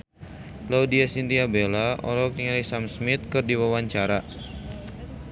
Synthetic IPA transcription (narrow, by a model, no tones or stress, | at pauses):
laudiasint̪iabelaʔɔ̰lɔkɾiŋalisamsmit̪̚kɨrdiwawaɲt͡ʃaɾa